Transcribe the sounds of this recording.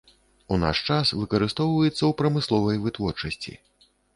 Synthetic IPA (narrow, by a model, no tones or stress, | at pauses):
una̰ʂt͡ʂasvɨkɐɾɨst̪ɔwvɐjɛt̪sːɐwpɾɐmɨslˠɔvɐjvɨt̪vɔrt͡ʂɐsʲt͡sʲḭ